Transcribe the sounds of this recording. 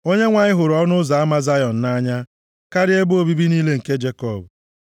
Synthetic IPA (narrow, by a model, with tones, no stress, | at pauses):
o˦ɲe˦ŋʷa˨ɲɪ˦ɦʊ˨ɾɔ˦nʊ˦za˨a˦ma˦za˦jɔ˨n̩˨na˦ɲa˦ | ka˦ɾɪ˦e˦bo˦bi˦bi˦niː˦le˦ŋ̩˨ke˦d͡ʒe˦kɔ˦˨b